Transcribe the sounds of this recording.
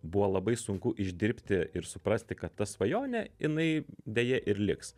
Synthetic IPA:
buʋolˠɐbɐɪsʊŋkʊʔɪʒʲd̪ʲɪɾʲpʲt̪ʲɪɪɾsʊpɾɐsʲt̪ʲɪkɐt̪tːɐsʋɐjoːnʲɛɪnɐɪd̪ʲɛjɛʔɪɾlʲɪks

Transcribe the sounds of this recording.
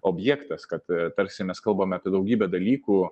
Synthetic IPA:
oːbʲjæːkt̪ɐskɐt̪t̪ɐɾʲsʲɪmʲɛskɐlˠbɐmʲɛɐpʲiɛd̪ɐʊɡʲiːbʲɛd̪ɐlʲiːkuː

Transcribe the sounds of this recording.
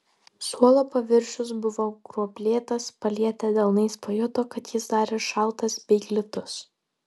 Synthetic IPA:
suɔlˠoːpɐʋʲɪɾʲʃʲʊs̬bʊʋoːɡɾuɔpʲlʲeːt̪ɐspɐlʲiɛt̪ʲɐd̪ʲɛlˠnɐɪspoːjɔt̪oːkɐt̪jɪsd̪ɑːɾʲeʃɐlˠt̪ɐsbʲɛɪɡlʲɪt̪ʊs

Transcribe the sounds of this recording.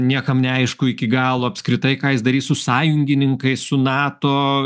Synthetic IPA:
nʲiɛkɐmnʲɛɐɪʃkʊɪkʲɪɡɑːlˠoːɐpʲskɾʲɪt̪ɐɪkɑːjɪsd̪ɐɾʲiːssʊsɑːjʊŋʲɡʲɪnʲɪŋkɐɪsʊnɑːt̪oː

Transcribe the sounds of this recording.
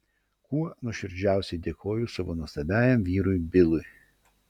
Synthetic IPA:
kuɔnʊʃʲɪɾʲd͡ʒʲæˑʊsʲɛɪd̪ʲeːkʰoːjʊsɐʋoːnuɔst̪ɐbʲæːjɛmʋʲiːɾʊjbʲɪlˠʊj

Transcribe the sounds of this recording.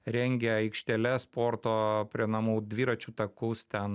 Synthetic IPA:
ɾʲɛŋʲɡʲɛɐɪkʃʲt̪ʲɛlʲɛspoːɾt̪oːpʲɾʲiɛnɐmuːd̪ʲʋʲiːɾɐt͡ʃʲut̪ɐkust̪ʲɛn

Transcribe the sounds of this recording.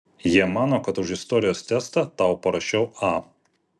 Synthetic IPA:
jiɛmɑːnoːkɐt̪ʊʃɪst̪ɔːɾʲɪjoːst̪ʲæːst̪ɐt̪ɑːˑʊpɐɾɐʃʲt͡ʃʲɛʊɑː

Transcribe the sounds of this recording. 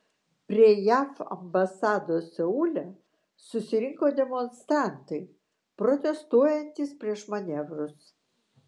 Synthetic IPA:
pʲɾʲiɛjæːfɐ̰mbɐsɑːd̪oːsʲɛuːlʲɛ | sʊsʲɪɾʲɪŋkoːd̪ʲɛmɔnst̪ɾɑˑnt̪ɐɪ | pɾot̪ʲɛst̪uɔjɛnʲt̪ʲispʲɾʲiɛʃmɐnʲɛʋɾʊs

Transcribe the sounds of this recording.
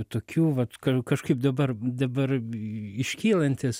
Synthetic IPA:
t̪oːkʲuːʋɐt̪kɐkɐʃkɐɪp̚d̪ɐbɐrd̪ɐbɐrɪʃʲkʲiːlˠɐnʲt̪ʲɪs

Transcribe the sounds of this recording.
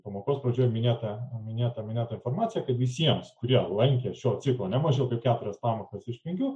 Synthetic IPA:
pɐmoːkoːspɾɐd͡ʒʲuːjmʲɪnʲeːt̪ɐmʲɪnʲeːt̪ɐmʲɪnʲeːt̪ɐɪnfoːɾmɑːt̪sʲɪjɛkɐt̪ʋʲɪsʲiɛmskʊɾʲiɛlˠɐŋʲkʲeːʃʲoːt̪sʲɪklˠoːnʲɛmɐʒʲɛʊt̪ɐɪpkʲæːt̪ʊɾʲɛspɑːmoːkɐsɪʃʲpʲɪŋɡʲʊ

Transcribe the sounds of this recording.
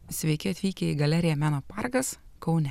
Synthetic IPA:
sʲʋʲɛɪkʲɪɐt̪ʲʋʲiːkʲeiːɡɐlʲæɾʲɪjɛmʲæːnoːpɐɾɡɐskɒʊnʲɛ

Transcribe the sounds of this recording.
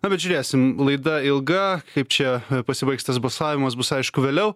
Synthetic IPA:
nɐbʲɛt̪ʒʲʊɾʲeːsʲɪmlˠɐɪd̪ɐɪlˠɡɐkɐɪp̚t͡ʃʲɛpɐsʲɪbɐɪksʲt̪ɐsbɐlˠsɑːʋʲɪmɐsbʊsɐɪʃkʊʋʲeːlʲɛʊ

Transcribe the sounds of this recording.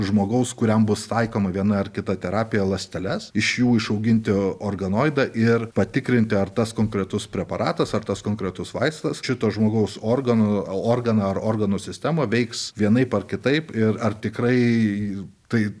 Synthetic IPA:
ʒmoːɡɐʊskʊɾʲɛmbʊst̪ɐɪkoːmɐʋʲiɛnɐɐrkʲɪt̪ɐt̪ʲɛɾɑːpʲɪjɛlˠɐsʲt̪ʲɛlʲɛsɪʃjuːɪʃɐʊɡʲɪnʲt̪ʲɪoːrɡɐnoːɪd̪ɐʔɪɾpɐt̪ʲɪkɾʲɪnʲt̪ʲɪɐrt̪ɐskoːŋkɾʲɛt̪ʊspʲɾʲɛpɐɾɑ̰ːt̪ɐsɐrt̪ɐskoːŋkɾʲɛt̪ʊsʋɐɪst̪ɐsʃʲɪt̪oːʒmoːɡɐʊsoːrɡɐnooːrɡɐnɐɐɾoːrɡɐnusʲɪsʲt̪ʲæmoːʋʲɛɪksʋʲiɛnɐɪpɐrkʲɪt̪ɐɪpɪɾɐrt̪ʲɪkɾɐɪ | t̪ɐɪ

